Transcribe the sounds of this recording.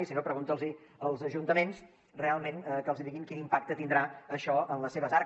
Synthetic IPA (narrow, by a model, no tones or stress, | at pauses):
isinopɾəɣunt̪əlˠziəlˠzəʒunt̪əmens | realˠmẽnkəlˠziðiɣiŋkinimpak̚t̪ət̪ind̪ɾaəʃɔənləseβəzaɾ